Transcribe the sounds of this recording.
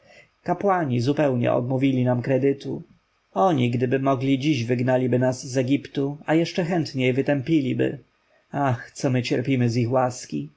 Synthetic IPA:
kapwaɲizupɛwɲɛ̰ɔ̰d̪muvʲilʲinamkɾɛd̪ɘt̪u | ɔɲiɡd̪ɘbɘmɔɡlʲid͡ʑiʑvɘɡnalʲibɘnaszɛɡʲipt̪uajɛʂt͡ʂɛxɛnt̪ɲejvɘt̪ɛmpʲilʲibɘ̰ | axt̪sɔmɘt͡ɕɛɾpʲimɘzixwaskʲi

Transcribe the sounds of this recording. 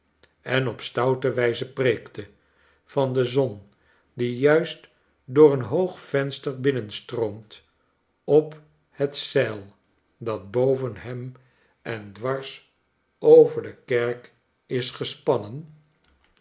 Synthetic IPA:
ɛnɔpstʌwtəʋɛjzəpreːktə | vɑndəzɔn | dijœɥst | dʊːɹənɦowχfɛnstəɹbɪnənstrowmt | ɔp | hətsɛlˠ | dɑd̚bowvənɦɛm | ʔɛndʋɑɹs | owvəɹdəkɛɹk | ɪsχəspɑnən

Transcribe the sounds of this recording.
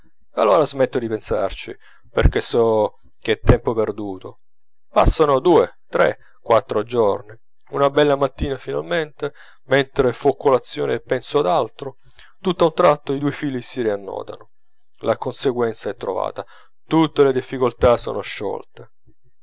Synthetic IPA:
a̰lːoːɾazmɛt̪ːod̪ipensart͡ʃi | pḛrk̟esɔ | k̟et̪ːɛmpoperd̪uːt̪o | pa̰sːanod̪uːe | t̪ɾḛ | kwat̪ːɾod͡ʒɔrni | unabɛlːamat̪ːiːnafinalment̪e | ment̪ɾefukːolat̪sːjoːneːpːɛnsɔad̪alt̪ɾo | t̪ut̪ːaunt̪ɾat̪ːoid̪uːefiːlisiɾianːɔ̰ːd̪a̰no | lakonseɡwɛnt̪saɛt̪ːɾova̰ːt̪a | t̪ut̪ːeled̪ifːikolt̪aso̰ːnoʃːɔ̰lt̪e

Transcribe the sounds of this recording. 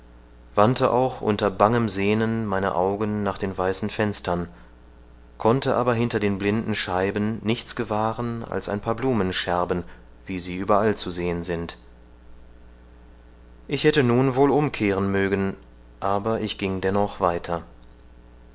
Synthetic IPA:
v̥antʰəʔa̰ʊxʔʊ̰ntɐbaŋəmzeːnənmaɪnə̰ʔaʊɡənːaːχd̥eːnvaɪsn̩fɛnstɐn | kʰɔntəʔaːbɐɦɪntɐdeːnblɪndn̩ʃaɪbnːɪçt͡sɡ̥əvaːʁəna̰lsa̰ɪnpʰaːɐbluːmənʃɛɐbən | v̥iːziːʔyːbɐʔalt͡suzeːənzɪnt | ʔɪçhɛtənuːnvoːlʔʊmkʰeːʁ̞ənmøːɡən | ʔaːbɐʔɪçɡ̥ɪŋdɛnɔχv̥aɪtʰɐ

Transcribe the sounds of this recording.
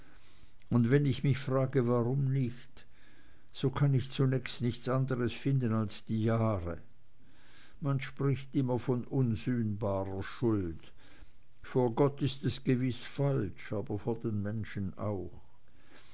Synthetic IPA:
ʊndvɛnɪçmɪçfʁ̥aːɡəvaʁʊmnɪçt | z̥oːkʰanɪçt͡sunɛːçstnɪçt͡sʔandəʁəsfɪndənalsd̥iːjaːʁə̰ | manʃpʁ̥ɪçtɪmɐfɔnʔʊnzyːnbaːʁɐʃʊlt | foːɐɡɔtɪstɛsɡ̥əvɪsfalʃaːbɐfoːɐd̥eːnmɛnʃəna̰ʊx

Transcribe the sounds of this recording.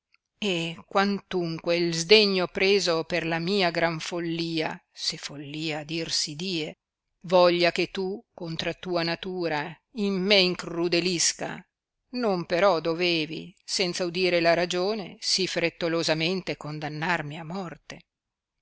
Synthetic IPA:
ekwant̪uŋkweilzd̪eɲːopɾeːzoperlamiːaɡɾaɱfolːiːasefolːiːad̪irsid̪iːe | vɔʎːaket̪ːukont̪ɾat̪uːanat̪uːɾa | imːeiŋkrud̪eliska̰ | nompeɾɔd̪oveːvḭsɛnt̪saud̪iːɾelaɾad͡ʒoːnesifɾet̪ːolozament̪ekond̪anːarmiamːɔrt̪e

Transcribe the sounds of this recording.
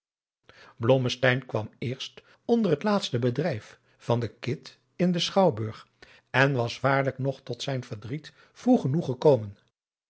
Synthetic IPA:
blɔməstɛjnkʋɑmɪːɹst | ɔndərɦətlaːtstəbədrɛjf | fɑndəkɪt | ɪndəsχɑwbɵɹχ | ɛnʋɑsʋaːɹləknɔχtɔtsɛjnvəɹdrit | fruχənuχəkowmən

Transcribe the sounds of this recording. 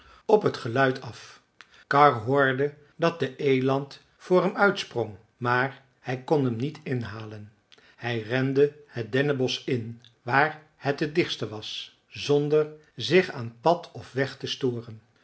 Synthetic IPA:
ɔpɦətχəlœɥtʰɑf | kɑɹɦʊːɹdə | dɑt̚dəʔejlɑnt | fʊːɹɦɛmœɥtsprɔŋ | maːɹ | hɛjkɔnɦəmnitɪnɦaːlən | hɛjrɛndəhət̚dɛnəbɔsɪn | ʋaːɹ | hɛtədɪχstəʋɑs | zɔndəɹ | zɪχaːnpɑtʰɔfʋɛχtəstʊːrən

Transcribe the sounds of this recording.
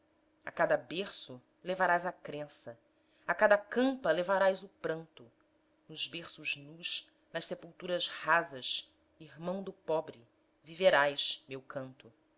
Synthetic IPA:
a̰kad̪ɐbeχsʊ | levaɾajzɐkɾẽsɐ | akad̪ɐkɐ̃mpɐlevaɾajzʊpɾɐ̃nt̪ʊ | nʊzbeχsʊznuʃ | nɐʃsepuwt̪uɾɐʃhazɐʃ | iɦmɐ̃w̃d̪ʊpɔbɾɪ | viveɾajʃmewkʰɐ̃nt̪ʊ

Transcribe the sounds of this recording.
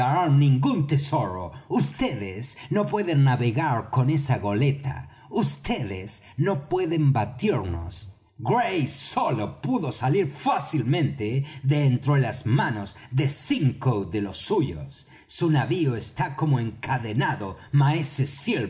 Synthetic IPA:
aɾaɾnĩŋɡunt̪eso̞ɾo̰ust̪eðesno̞pwe̞ðenːaβe̞ɣaɾko̞ne̞saɣo̞le̞t̪a̰ | ust̪eðḛsno̞pwe̞ðembat̪iɾno̰s | ɡɾejsolopuðo̞saliɾfasilmẽ̞nt̪eðent̪ɾoelazmanoz | ðesiŋkoðelo̞sːuʝo̰sː | unaβioest̪ako̞moeŋkaðenaðomaeseseɾ

